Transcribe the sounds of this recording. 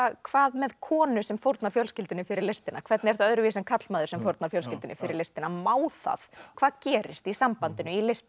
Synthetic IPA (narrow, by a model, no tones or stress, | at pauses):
kʰv̥aːðmɛðkʰɔːnʏsɛmfowɾt̪naɾ̥fjɔwlscɪlt̪ʏnɪfɪɾɪɾlest̪ɪnakʰvɛɾt̪nɪɛɾ̥θaðœðɾʏvis̬ɛnkʰat̪l̥maːðʏɾsɛmfowɾt̪naɾ̥fjowls̬cɪlt̪ʏnɪfɪɾɪɾlest̪ɪnamaːwθa̰fkʰv̥aːðcɛːɾɪ̰st̪isampant̪ɪnʏilest̪